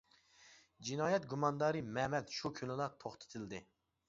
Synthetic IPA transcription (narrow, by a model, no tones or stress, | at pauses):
d͡ʒinɑːjɛt̪̚ɡumɑnd̪ɑːɾɨmɛmɛt̪ʃukʲʰynlɨlˠɑt̪ʰoχt̪ʰɨ̥t̪ʰɨld̪ɪ